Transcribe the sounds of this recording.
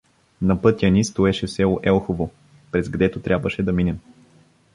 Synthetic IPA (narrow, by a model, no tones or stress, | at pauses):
nɐpɤt̪ʲjənist̪oɛʃɛfsɛlˠoʔɛlˠxovo | pɾɛzɡɐd̪ɛt̪ot̪ɾʲjabvəʃɛd̪ɐminɛm